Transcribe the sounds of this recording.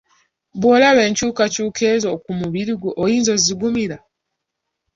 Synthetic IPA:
βwoːlaβe̞ːɲcuːkacuːkʰe̞ːzo̞kumuβiɾiɡuʔojiːnzo̞ziɡumiɾa

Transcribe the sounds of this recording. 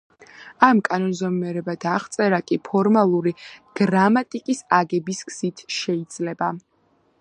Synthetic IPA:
amkʼanɔnzɔmɛɾɛbad̪̥aʁt̪sʼɛɾakʼipʰɔɾmalˠuɾiɡ̥ɾamat̪ʼikʼisaɡɛbisɡz̥it̪ʰʃɛid̪z̥lɛba

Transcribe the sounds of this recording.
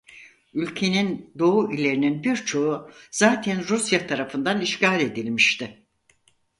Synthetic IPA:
ylʲcʰe̞nind̪o̞uʔilʲe̞ɾininbiɾt͡ʃʰo̞uzaːt̪ʰænɾusjat̪ʰaɾafɯnd̪aniʃcaːlʲe̞d̪ilʲmiʃt̪ʰɪ

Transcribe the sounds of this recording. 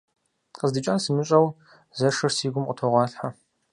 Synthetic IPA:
qəzdɨt͡ʃʼaːnsɨmɨɕʼɐw | zɐʂɐrsiːɡʷʊmʔʷʼɔtʰoʁʷɑːɬħa

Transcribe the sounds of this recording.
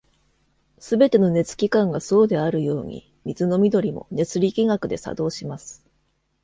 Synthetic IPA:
sɨbe̞t̪e̞no̞ne̞t͡sɨ̥kʲikãŋɡaso̞ːd̪e̞aɾɯ̟jo̞ːɲ̟ḭ | mʲizɨno̞mʲid̪o̞ɾʲimo̞̰ne̞t͡sɨɾʲikʲiŋakɯ̟d̪e̞sa̰d̪o̞ːɕimasɨ̥

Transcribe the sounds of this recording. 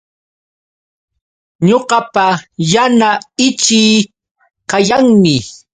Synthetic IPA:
ɲoɢɑpajanaɪt͡ʃɪː | kajaŋmɪ

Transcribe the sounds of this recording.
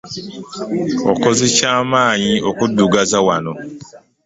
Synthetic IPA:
o̰kozecaːmaːɲiokudːuɡazawano

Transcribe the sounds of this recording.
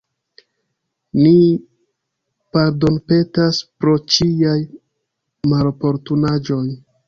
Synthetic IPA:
ni | paɾdo̞npe̞taspɾo̞t͡ʃiaj | malpo̞ɾtunad͡ʒo̞j

